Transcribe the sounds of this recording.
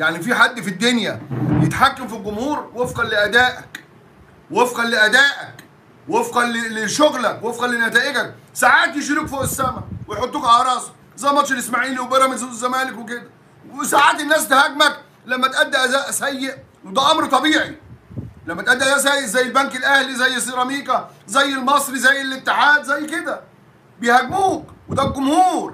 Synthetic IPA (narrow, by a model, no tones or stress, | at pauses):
jaʕnifiːħad̪ːfid̪ːonjæjet̪ħakːæmfilɡomhuːɾwefqɑnleʔæd̪æːʔæk | wefqɑnleʔæd̪æːʔæk | wefqɑleleʃoɣlækwefqɑlːenæt̪æːʔeɡæk̚ | saʕaːt̪jeʃ̬iɾikfoʔesːæːmæwejħot̪ˤːukʔɑɾˤɑːsˤɑ̥ | zˤɑmɑt̪ˤʃelesmaʕiːliwbeɾˤɑmenzut̪zːæmæːlekweked̪æ | saʕaːt̪ɪnːæːst̪hæɡmæk | læmːæt̪ʔæd̪ːæʔæzæʔsæjːeʔ | wed̪æʔɑmɾt̪ˤɑbiːʕi | læmːæt̪ʔæd̪ːæʔæsæjːeʔzæjːɪlbænkɪlʔæhlizæjːɪsˤiɾˤɑmiːkæzæjːɪlmɑsˤɾizæjːɪlɪt̪ːɪħaːd̪zæjːked̪æ | bejhæɡbuːkwed̪æb̚ɡʊmhuːɾˤ